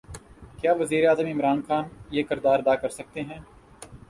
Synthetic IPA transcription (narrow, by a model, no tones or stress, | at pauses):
kjaːʋɐziːɾeaːzəmɪmɾaːnxaːnjeːkɪɾd̪aːɾɐd̪aːkɐɾsɐk̚t̪eɦɛ̃ː